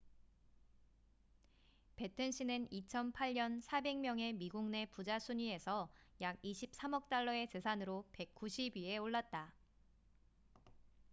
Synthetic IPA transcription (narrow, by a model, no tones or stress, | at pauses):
pe̞tʰɯnɕ͈ʰinɯnit͡ɕʰʌnpʰaʎɲʌnsʰabe̞ŋmjʌŋe̞miɡuŋne̞pud͡ʑasʰuɲie̞sʰʌjaɡiɕʰip̚s͈ʰamʌk̚t͈aɭːʌe̞t͡ɕe̞sʰanɯɾope̞k̚k͈uɕʰibieoɭːat̚t͈a